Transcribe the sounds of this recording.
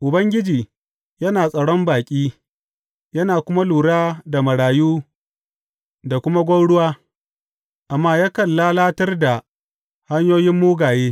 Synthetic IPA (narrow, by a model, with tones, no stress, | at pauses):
ʔʊ˨bɐ˦ŋɡʲɪ˦d͡ʒiː˨ | jɐ˦naː˨sʼɐ˨ɽɔ˦mbaː˨kʲʼiː˦ | jɐ˦naː˨kʷʊ˦ma˦luː˨ɽaː˦da˨mɐ˨ɽaː˨juː˦ | da˨kʷʊ˦ma˦ɡʷɐ˦ɽʊ˦waː˦ | ʔa˨mːaː˦jaː˦kɐ˨lːaː˦laː˦tɐ˦rda˨ | ha˦ɲjoː˦jɪ˦mːuː˦ɡaː˨jeː˦